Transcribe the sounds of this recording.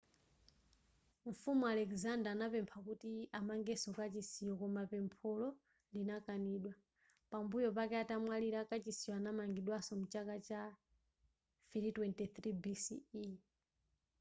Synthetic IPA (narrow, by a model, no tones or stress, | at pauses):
ɱ̩fumualɛkzandaːnapɛmpʰakutiamaŋɡɛsɔkat͡ʃisijɔkɔmapɛmpʰɔlɔ | linakaniɗwa | pambujɔpakɛatamwaliɾakat͡ʃisijɔanamaŋɡiɗwasɔmut͡ʃakat͡ʃa | fiɾitwɛntɛθɾibisii